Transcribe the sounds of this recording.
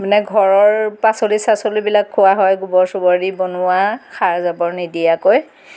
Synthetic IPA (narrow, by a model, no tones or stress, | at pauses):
mnɛɡʱɔɹɔɹpasolisasolubilakʰːʊwaɦɔjɡubɔɹsʊbɔɹibonʊwaxaɹzabɔɹnidijakoj